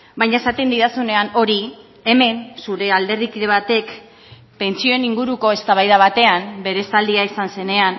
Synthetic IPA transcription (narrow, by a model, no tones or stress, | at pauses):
bajɲae̞sat̪e̞nd̪iðasune̞ano̞ɾi | e̞me̞nsuɾe̞ald̪e̞ɾðikiðe̞βat̪e̞k | pe̞nt͡sio̞eniŋɡuɾuko̞e̞st̪aβajðaβ̞at̪e̞ambe̞ɾe̞sald̪iaisanse̞ne̞an